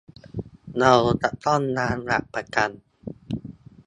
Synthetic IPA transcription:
na˧wt̪a˨˩ʔt̪ɔ˥˩˨nːaː˦˥nɾa̰˨˩ʔpa˧ka˧n

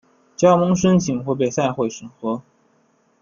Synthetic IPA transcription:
t͡ɕjɑ˥ʊmɤ˧˥ŋʂ̬ə˥nt͡ɕʰi˨˩ŋxɔ˧˥p̬e˨˩ɪsa˥˧ɪxwe˥˩ɪʂɤ˨˩ŋxɤ˧˥

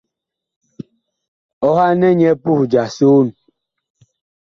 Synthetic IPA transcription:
ɔ˦ha˦nɛ˦ɲɛ˦pu˦hd͡ʒa˨so˦˨n

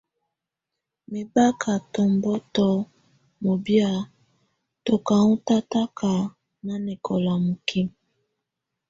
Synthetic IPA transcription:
me˨ba˦kʰa˨tɔ˨mbɔ˦tɔ˦ | mo˨bja˦˨ | to˨ka˨u˦ta˦ta˦kʰa˨ | na˦ne˨kʰɔ˨la˨mo˨kʰi˦m˨

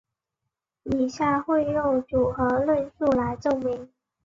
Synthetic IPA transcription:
i˨˩ɕja˥˧xwe˥˧ɪɻo˥˩ŋʈ͡ʂu˨˩xɤ˧˥lwə˥˧nʂu˥˩la˧˥ɪʈ͡ʂɤ˥˩ŋmi˧˥ŋ

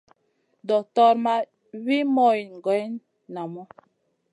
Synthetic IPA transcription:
dɔ˨tɔ˦˨ɾma˦ | wi˦mɔ˦˨i˨ŋ˨ɡwɛ˨˦n | na˨mɔ˦

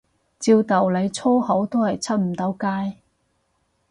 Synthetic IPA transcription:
t͡siː˧wt̪ɐ˨wle˨˧jt͡sʰo˥who˨˥wt̪o˥whɐ˨˩jt͡sʰɐ˥t̚m̩˨˩t̪ɐ˨˥wkaː˥j

